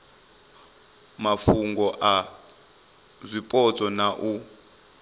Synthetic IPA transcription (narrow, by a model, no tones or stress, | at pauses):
mafuŋɡɔʔa | zʷipʼɔt͡sɔnaʔu